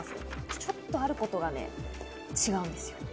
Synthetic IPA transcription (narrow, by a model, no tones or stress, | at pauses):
sɨt͡ɕo̞t̪ːo̞aɾɯ̟ko̞t̪o̞ɡanḛ | t͡ɕiɡaɯ̟̃nd̪e̞sɨ̥jo̞